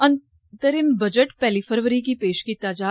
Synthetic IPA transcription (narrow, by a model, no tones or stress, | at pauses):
ɐ̃n | t̪əɾimbɐd͡ʒəʈpɛːlipʰəɾʋəɾik̬ipeːʃkit̪aːd͡ʒaː